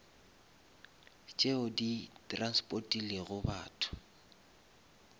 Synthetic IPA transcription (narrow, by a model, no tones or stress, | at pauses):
t͡ʃʼeʊditʼranspʼotʼileɣʊba̰ːtʰʊ̥